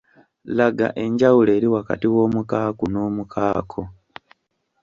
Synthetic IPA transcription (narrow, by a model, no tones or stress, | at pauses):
laɡa̰ʔe̞ɲɟawule̞ːɾiwaka̰tiwo̞ːmukaːkunoːmukʰaːkʰo